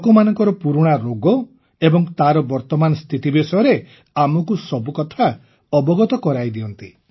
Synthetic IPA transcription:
kɔmanɔŋkɔɾɔpuɾuɽ̃aɾoɡɔ | ebɔŋt̪aɾɔbɔɾt̪ɔmanɔst̪ʰit̪ibesɔjɔɾe | amɔkusɔbukɔt̪ʰa | ɔbɔɡɔt̪ɔkɔɾajd̪iɔnt̪i

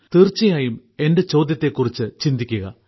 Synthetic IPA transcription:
t̪irt͡ɕːɐjaːjum | e̞nde̞t͡ɕo̞ːd̪ʱjɐt̪ːe̞kːurit͡ɕːɨt͡ɕind̪ikʲːuɣɐ̰

